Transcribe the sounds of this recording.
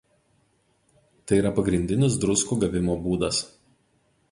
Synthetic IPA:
t̪ɐɪiːɾɐpɐɡɾʲɪnʲd̪ʲɪnʲɪs̬d̪ɾʊskuːˑɡɐʋʲɪmoːbuːd̪ɐs

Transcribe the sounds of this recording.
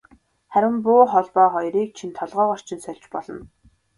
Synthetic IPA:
χæɾʲɪ̆mpʊːχɔɮpɔːχɔjɾiːk̚t͡ɕʰint̪ʰɔɮʁɔːʁɔr̥t͡ɕʰɪ̆nsœɮʲt͡ɕpɔɮɞ̆n

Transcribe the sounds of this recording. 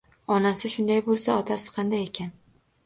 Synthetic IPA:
ɒnasɪʃʊnd̪ajbolˠsaɒt̪ʰasɪ̥qʰɑnd̪ajekʲʰan

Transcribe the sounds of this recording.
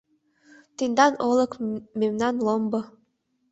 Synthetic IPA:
t̪end̪ɑnɤlɤ̆kmemnɑnlɤmbɤ̆

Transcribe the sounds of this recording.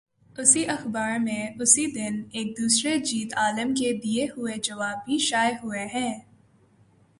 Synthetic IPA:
ʊsiʔɐxbaːɾmẽʊsid̪ɪneːk̚d̪uːsɾed͡ʒiːt̪aːləmked̪ieɦʊed͡ʒɐʋaːbʱiʃaːjɦʊeɦɛ̃ː

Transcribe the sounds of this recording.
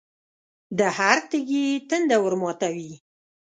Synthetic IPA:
d̪əhaɾt̪əɡit̪ənd̪awəɾmɑt̪awi

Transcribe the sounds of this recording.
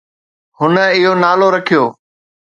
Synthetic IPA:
hʊnəɪɦonaːloɾɐkʰijoː

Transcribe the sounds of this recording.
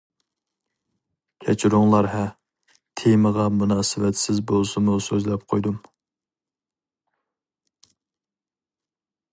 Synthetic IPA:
kʲʰɛt͡ʃʰiɾuŋlˠɑɾɦɛ | t̪ʰeməʁɑmunɑːsɪvɛt̪sɪzbolˠsumusøzlɛp̚qʰojd̪um

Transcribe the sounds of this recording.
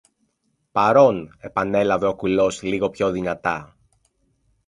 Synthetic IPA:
pɐɾo̞ne̞pɐne̞lɐve̞o̞kulo̞sliɣo̞pço̞ðinɐt̪ɐ

